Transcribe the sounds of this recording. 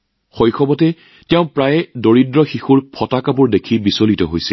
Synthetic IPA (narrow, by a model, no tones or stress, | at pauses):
xɔjxʰɔbɔtɛ | tɛʊ̃pɹajɛdoɹidɹɔxixuɹpʰɔtakapʊɹdekʰibisolitɔɦojsɛl